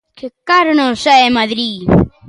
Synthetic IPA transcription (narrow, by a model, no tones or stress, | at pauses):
kekaɾʊnõsaemaðɾi